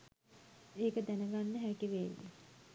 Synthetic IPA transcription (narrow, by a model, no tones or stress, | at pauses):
eːkəd̪ænəɡanːəɦækiʋeːʋḭ